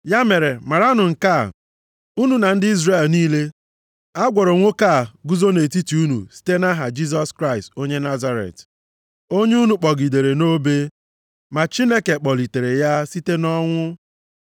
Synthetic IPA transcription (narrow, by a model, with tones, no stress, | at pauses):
ja˦me˨ɾe˨ma˨ɾa˦nʊ˨ŋ̩˨ka˦˨ | u˦nu˨na˨n̩˦dɪ˦i˦zre˦˨lniː˦le˦ | a˦ɡʷɔ˨ɾɔ˨ŋʷo˦ka˦˨ɡu˦zo˦ne˨ti˦ti˨u˦nṵ˨si̥˦te˦na˦ɦa˨d͡ʒi˦z̬ɔ˦skɾa˦ɪ˨sto˦ɲe˦na˦za˦ɾḛ˨t | o˦ɲe˦u˦nu˨k͡pɔ˨ɡi˨de˨ɾe˨no˦be˦ | ma˨t͡ʃi˦ne˦ke˨k͡pɔ˨li˨te˨ɾe˨ja˦si˦te˦nɔ˦ŋʷʊ˦